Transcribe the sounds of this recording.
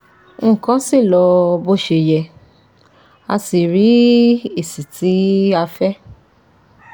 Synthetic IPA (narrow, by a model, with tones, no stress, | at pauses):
ŋ̩˦˨kɔ̃˨˦si˦˨lɔ˧bo˦ʃe˧˨jɛ˧ | a̰˧si˨ɾi˨˦e˨si˨ti˨˦a˧fɛ˦